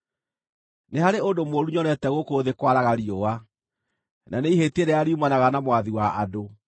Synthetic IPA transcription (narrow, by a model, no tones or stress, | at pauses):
nehaɾeondomwoɾuɲɔɾɛtɛɣokoðekwaɾaɣaɾioa | nʔaneiɦeteɾeaɾiumanaɣanamowaðiwaʔado